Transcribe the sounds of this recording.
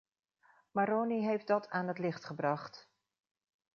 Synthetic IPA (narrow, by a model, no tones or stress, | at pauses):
maɾoniɦejf̚dɑtʰaːnɦətlɪχtχəbrɑχt